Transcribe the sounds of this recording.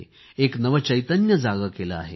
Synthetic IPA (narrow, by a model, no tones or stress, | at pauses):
eknəʋət͡ɕəjt̪ənjəd͡zaɡəkelə̰a̰ɦḛ